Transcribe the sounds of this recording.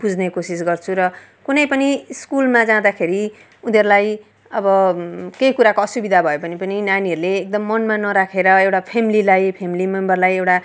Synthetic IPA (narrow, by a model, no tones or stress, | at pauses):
bud͡zʱnekosis̬ɡʌrt͡sʰuɾʌ | kunʌjpʌniskulmad͡zãd̪akʰeɾi | unʌɾulaj | ʌbʌkejkuɾakoʌsubid̪ʱabʱʌjepʌnipʌninaniʌɾuleːk̚d̪ʌmːʌnmanʌɾakʰeɾʌewʈapʰemililajpʰemilimʌmbʌrlajewʈa